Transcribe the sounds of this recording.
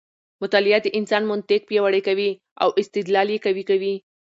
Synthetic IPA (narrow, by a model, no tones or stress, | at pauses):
mʊt̪ɑlɪat̪̚əʔɪnsɑnmʊnt̪ɪk̚pjawaɽekawi | a̰wʔɪst̪ɪd̪lɑljekawikawi